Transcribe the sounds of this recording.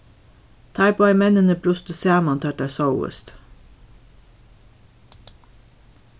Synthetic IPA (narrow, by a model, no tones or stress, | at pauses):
t̪ʰæːɾpʰoːæɪmɛnənəpʰɾʊst̪əsæːmɑnt̪ʰæʈæsɑʊə̰st̪